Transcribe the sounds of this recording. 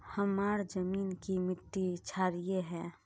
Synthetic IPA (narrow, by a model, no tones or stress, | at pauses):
həmaːɾd͡ʒəmiːnkimɪʈ̪ːit͡ʃʰaːɾijeɦɛ̃ː